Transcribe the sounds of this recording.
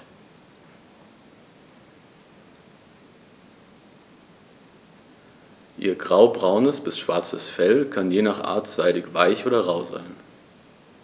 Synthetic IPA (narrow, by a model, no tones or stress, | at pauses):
ʔḭːɐɡʁaʊbʁaʊnəsb̥ɪsʃv̥aɐt͡səsfɛlkʰanjeːnaːχʔa̰ːɐtz̥aɪɾɪçv̥aɪçʔoːdɐʁaʊza̰ɪn